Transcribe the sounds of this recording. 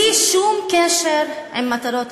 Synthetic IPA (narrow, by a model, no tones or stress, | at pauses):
iʃumkeʃeɾimːat̪aɾot̪